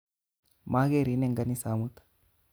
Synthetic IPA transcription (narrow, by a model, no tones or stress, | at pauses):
maːɡeɾineŋɡɐnisaːmut̪ḁ